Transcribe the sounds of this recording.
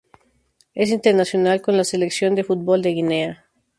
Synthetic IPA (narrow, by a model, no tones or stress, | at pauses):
e̞s̬int̪eɾnasjo̞nalko̞nlase̞leksjo̞nd̪e̞fut̪̚bo̞ld̪e̞ɣine̞a